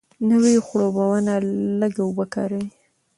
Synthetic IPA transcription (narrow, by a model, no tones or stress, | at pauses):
nəwixɽobawanaləɡaubəkɑ̰ɾəwi